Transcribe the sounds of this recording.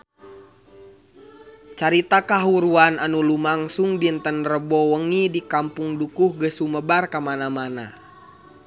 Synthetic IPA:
t͡ʃaɾit̪akaɦuɾuananulumaŋsuŋdint̪ənrəbɔwəŋidikampuŋdukuhɡəsuməbarkamanamana̰

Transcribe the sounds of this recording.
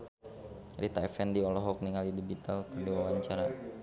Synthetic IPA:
rit̪aɛfɛndiɔlɔɦɔk̚niŋalidibit̪alk̪ərdiwawaɲt͡ʃaɾa

